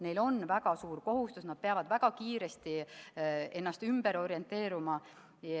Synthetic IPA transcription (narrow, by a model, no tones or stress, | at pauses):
ne̞jlo̞nvæɡ̥ɑsuːɾko̞ɦust̪usnɑd̥̪̚peɑvɑd̪̥væɡ̥ɑkiːɾest̪i | e̞nːɑst̪ymbe̞ɾo̞ɾie̞nt̪ːˑe̞ːɾumɑ